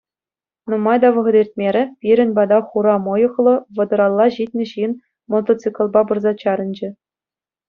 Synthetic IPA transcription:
numɑjd̪ɑʋɤ̆ʁɤ̆d̪ʲerʲtʲmʲeɾʲɘ̆pʲiɾʲɘ̆nʲbɑd̪ɑχuɾɑmɤ̆jɤ̆χlˠɤ̆ʋɤ̆d̪ɤ̆ɾɑlˠːɑʑit̪ʲnʲɘ̆ɕin | mot̪ot͡sɨkŏlˠbɑbɤ̆rzɑt͡ɕɑɾɤ̆nʲd͡ʑɘ̆

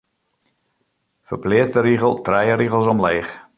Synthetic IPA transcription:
fərplɪːt͡stəɾiɣəlˠtrɛjəɾiɣəl̩ˠsɔmleːx

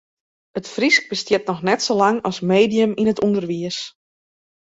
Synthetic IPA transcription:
ətfrisk̚b̥əstjɪtnɔxnɛtsolaŋɔsmeːdijəminətundərʋiəs

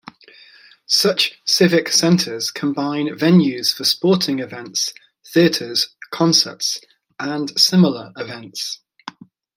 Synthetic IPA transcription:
sʌt͡ʃsɪvɪksɛ̃ntʰəz̥kʰə̃mbãɪ̃nvɛ̃njʉz̥fəspɔˑtʰɪ̃ŋɪvɛ̃nts | θiətʰəz̥kʰɒ̃nsə̰ts | ʔə̃nsɪmələɹʔɪvɛ̃nts

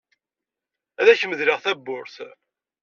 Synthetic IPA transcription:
æðæçəməðlɪʁθæbːʊɾθ

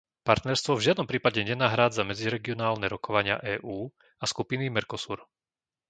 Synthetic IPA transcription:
paɾt̪nɛɾst̪ʋɔvʒɪad̪nɔmpɾiːpaɟɛɲɛnaɦɾaːd͡zamɛd͡ziɾɛɡiɔnaːlnɛɾɔkɔʋaɲɪa̰ʔɛːʔuː | askupinimɛɾkɔsuɾ

